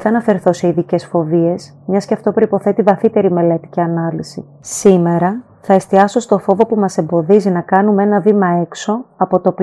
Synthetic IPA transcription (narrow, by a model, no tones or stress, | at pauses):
θɐnɐfe̞ɾθo̞se̞iðice̞sfo̞vie̞s | mɲɐsceft̪o̞pɾo̞ipo̞θe̞t̪ivɐθit̪e̞ɾime̞le̞t̪i̥ciɐnɐlisḭ | sime̞ɾɐ | θɐe̞st̪iɐso̞st̪o̞fo̞vo̞pumɐse̞mbo̞ðizinɐkɐnumee̞nɐvimɐe̞kso̞ɐpo̞t̪o̞p